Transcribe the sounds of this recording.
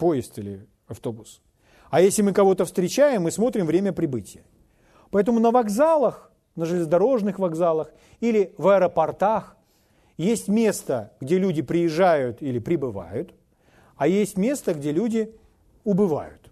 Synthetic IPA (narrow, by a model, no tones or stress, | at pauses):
po̞jɪst̪ɨlʲɪ̰ | ɐft̪o̞bʊs | ajesʲlʲɪmɨkɐvo̞t̪əfst̪ɾʲɪt͡ɕæjɪmːɨsmo̞t̪ɾʲɪmvɾʲemʲəpɾʲɪbɨtʲɪjə | pɐɛt̪əmʊnəvɐɡzalˠəx | nəʐɨlʲɪzd̪ɐɾo̞ʐnɨxvɐɡzalˠəx | ilʲɪvəɛɾəpɐrt̪ax | jesʲtʲmʲe̞st̪əɡdʲelʲudʲɪpɾʲɪjɪʐːajʊt̪ilʲɪpɾʲɪbɨva̰jʊt̪ | ajesʲtʲmʲe̞st̪əɡdʲe̞lʲudʲɪ | ʊbɨva̰jʊt̪